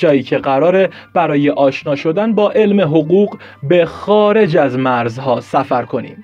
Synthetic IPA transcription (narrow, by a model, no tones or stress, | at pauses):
ɒːiːcʰe̞ɢæɾɒːɾe̞ | b̥æɾɒːje̞ʔɒːʃnɒːʃo̞d̪ænbɒːʔe̞lme̞ɦo̞ɣuːɢ | bexɒːɾe̞d͡ʒæzmæɾzhɒːsæfæɾkʰo̞nḭːm